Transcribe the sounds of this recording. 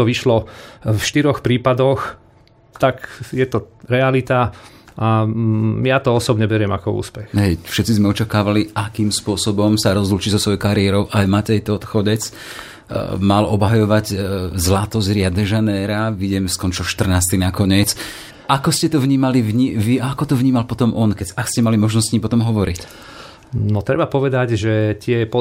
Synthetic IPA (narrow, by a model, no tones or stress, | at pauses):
ɔʋiʃlɔfʃt̪iɾɔxpɾiːpad̪ɔx | t̪akjɛt̪ɔɾɛalit̪aʔa | jat̪ɔɔsɔbɲɛbɛɾɪɛmakɔṵːspɛxɦɛjfʃɛt̪t͡sizmɛɔt͡ʃakaːʋaliʔakiːmspʊɔsɔbɔmsaɾɔzluːt͡ʃizɔsʋɔjɔjkaɾiɛɾɔʊʔajmat̪ɛjt̪ɔɔt̪xɔɟɛt͡s | malɔbɦajɔʋaɟzlat̪ɔzɾɪad̪nɛʒanɛːɾaʋiɟɛmskɔnt͡ʃɔʃt̪r̩naːst̪inakɔɲɪɛt͡s | ʔakɔscɛt̪ɔvɲiːmalivɲiʋiaakɔt̪ɔvɲiːmalpɔt̪ɔmʔɔnkɛakscɛmalimɔʒnɔssɲiːmpɔt̪ɔmɦɔʋɔɾic | nɔt̪ɾɛbapɔʋɛd̪aɟʒɛt̪ɪɛpɔ